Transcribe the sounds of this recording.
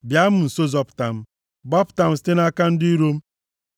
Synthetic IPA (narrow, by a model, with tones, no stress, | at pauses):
bja˦m̩˦n̩˨so˦zɔ˦pta˨m̩˦ | bɔ˦pta˨m̩˨ste˦na˦ka˦n̩˦di˦ɾo˦m̩˦